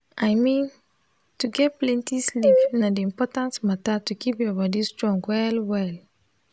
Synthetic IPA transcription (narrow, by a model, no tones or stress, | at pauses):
ʔajmĩn | tuɡɛt̚plɛ̃ntislivnadiĩmpɔtãntmatatukipjɔbɔdistɹɔ̃ŋɡwɛlwɛl